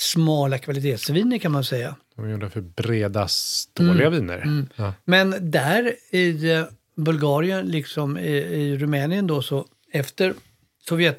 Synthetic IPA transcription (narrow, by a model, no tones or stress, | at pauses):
smɑːlakʰvalɪt̪ʰeːt̪sviːnəɾkʰanmansɛjːad̥̪ɔmjuːɖəfœɾbɾeːd̪ast̪oːɭɪɡaviːnə̰ɾmɛnd̪æɾɪ | bɵlɡɑːɾɪənlɪksɔmɪɪɾɵmɛːnɪənd̪ɔsɔ | ɛft̪əɾ | sɔvjɛt̪